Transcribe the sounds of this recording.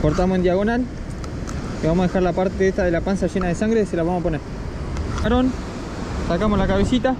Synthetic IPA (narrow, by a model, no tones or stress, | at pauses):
ko̞ɾt̪amoend̪jaɣo̞nal | eβamosaðexaɾlapaɾt̪eðeht̪aðe̞lapansaʒenaðesaŋɡɾeselaβamosapo̞neɾ | kaɾon | sakamoslakaβesit̪a